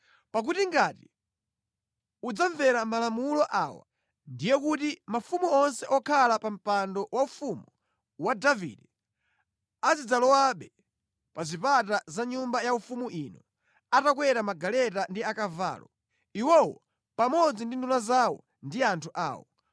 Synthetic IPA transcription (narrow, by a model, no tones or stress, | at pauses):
pak̬utiŋɡati | ud͡zaɱvɛɾamalamulɔʔa̰wa̰ | ndijɛk̬utimafumuɔnsɛʔɔkʰalapam̩pandɔwaufumu | wadavḭdɛ | azid͡zalɔwaɓɛ | pazipatazaɲumbajaufumuʔinɔ | atak̬wɛɾamaɡalɛtandiakava̰ːlɔ | iwɔwɔ | pamɔd͡zindindulazawɔ̰ | ndiantʰuʔa̰ːwɔ̰